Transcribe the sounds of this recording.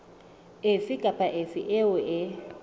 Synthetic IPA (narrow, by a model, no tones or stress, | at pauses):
ɪfɪkʼapʼaʔɪfɪʔɪʊʔɪ